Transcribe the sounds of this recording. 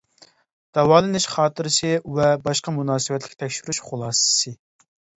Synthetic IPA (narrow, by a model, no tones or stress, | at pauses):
d̪̥ɑwɑːlˠɨnɪʃχɑːt̪ɨɾɨsɨwɛbɑʃqɑmunɑːsɨwɛt̪lʲɪkʲt̪ʰɛkʲʃyɾyʃχulˠɑːsɨ̥sɨ